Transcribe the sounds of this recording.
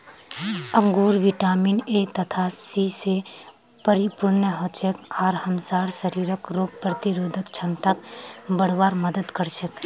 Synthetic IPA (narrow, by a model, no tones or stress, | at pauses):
əŋɡuːɾʋiʈaːminet̪ət̪ʰasise | pəɾipʊɾnəɦot͡ʃekaːɾhəmsaːɾsəɾiːɾəkɾoːɡ̚pɾət̪iɾoːd̪ʱəkt͡ʃʰənt̪əkbəɽ̤ʋaːɾməd̪əd̪kəɾt͡ʃʰək